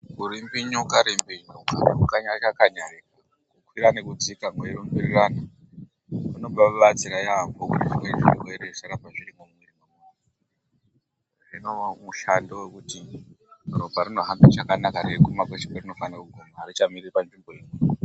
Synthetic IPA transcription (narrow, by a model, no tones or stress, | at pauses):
kuɾimbiɲukaɾimbiɲuka̰kukaɲat͡ʃakaɲarik | kukwiɾanekud͡zikaŋɡweerombirirana | runo̞ɓaɓat͡siɾajambokukwend͡ʒḭmboeeɾerisaɾapaʐiɾimomwerimamu | a | ʐinomuʃandowekuti | robʱaɾino̞ɦambit͡ʃakanakaɾekumakwet͡ʃi̥kwerino̞fanakuɡʱunaɾit͡ʃamiripand͡ʒimboei